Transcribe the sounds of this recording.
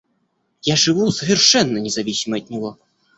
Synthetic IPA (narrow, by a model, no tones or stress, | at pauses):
jaʐɨvuzɐvʲɛrʂɛnːɐnʲɛzavʲisʲimɐɐd̪̚nʲɔɣɔ